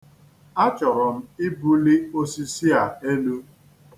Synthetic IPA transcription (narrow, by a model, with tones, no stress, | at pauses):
a˦t͡ʃɔ˨ɾɔ˨m̩˦i˦bu˦li˦o˦si˦si˦a˨e˦no˦